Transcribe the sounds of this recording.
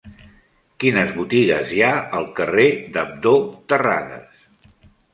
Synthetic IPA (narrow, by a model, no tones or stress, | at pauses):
kinəzβut̪iɣəzjaəlˠkəred̪əb̚d̪ot̪əra̰ðə̰s